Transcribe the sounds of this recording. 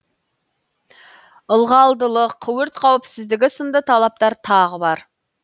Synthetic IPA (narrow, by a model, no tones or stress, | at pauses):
əlˠʁɑlˠd̪əlˠəqʰːʊwəɾt̪qʰɑwɪpsɪzd̪ɪɡʲɪsəmd̪ət̪ʰɑlˠɑp̚t̪ɑɾt̪ʰɑʁəbɑɾ